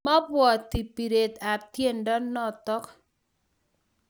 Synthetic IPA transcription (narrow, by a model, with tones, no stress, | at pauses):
ma˦bwɔ˨t̪i˨pi˨ɾe˨t̪a˨p̚t̪je˦ndɔ˦nːɔ˦˨t̪ɔ˦k